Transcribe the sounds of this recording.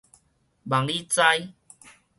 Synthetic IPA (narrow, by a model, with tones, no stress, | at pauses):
ba˨ŋli˦t͡sa˦j